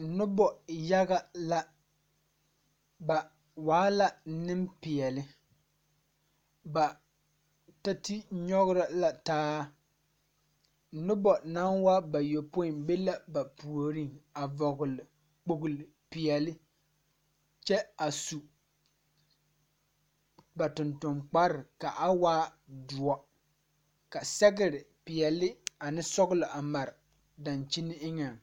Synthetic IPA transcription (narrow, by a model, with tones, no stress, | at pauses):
nʊ˦bɔ˨ja˦ɣa˦la˦ | ba˨ | waː˨˦la˦nɪ˦mpɪ˨ɛ˨lɪ˦ | ba˨ | ta˦ti˦ɲɔ˦ɣʊ˦ɾa˨la˨taː˦ | nʊ˦bɔ˨na˦nwa˦ba˨jo˨pʊ˦ɪ˨mbe˦la˦ba˨pu˨o˨ɾi˦ŋa˨vɔ˨ɡʊ˨lɪ˨ | k͡po˨ɡʊ˨lɪ˨pɪ˨ɛ˨lɪ˦ | t͡ʃɛ˦a˨su˨ | ba˨tʊ˨ntʊ˨mk͡pa˦ɾɪ˨ka˨ʔa˦waː˦du˨ɔ˦ | ka˨sɛ˦ɡɪ˦ɾɪ˨pɪ˨ɛ˨lɪ˦a˨nɪ˦sɔ˦ɡʊ˦lɪ˨ʔa˨ma˨ɾ | da˨nt͡ʃi˦nɪ˦ɪ˦ŋa˨ŋ